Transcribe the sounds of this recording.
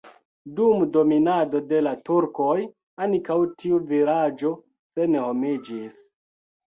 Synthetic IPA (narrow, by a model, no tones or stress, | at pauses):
dumdo̞minado̞de̞latuɾko̞j | ankawtʰiuviɾad͡ʒo̞ | se̞ne̞ho̞mid͡ʒis